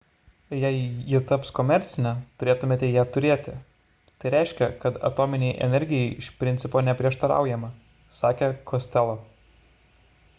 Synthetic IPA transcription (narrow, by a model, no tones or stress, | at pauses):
jɛɪjɪt̪ɐpskɔːmʲɛɾʲt̪sʲɪnʲɛt̪ʊɾʲeːt̪ʊmʲeːt̪ʲɛjæːt̪ʊɾʲeːt̪ʲɪ | t̪ɐɪɾʲɛˑɪʃʲkʲɛkɐt̪ɐ̰t̪oːmʲɪnʲɛɪʔɛ̰nʲɛɾʲɡʲɪjɛɪɪʃpʲɾʲɪnʲt̪sʲɪpoːnʲɛpʲɾʲiɛʃt̪ɐɾɑ̰ˑʊjɛmɐ | sɑːkʲekʰosʲt̪ʲɛlˠo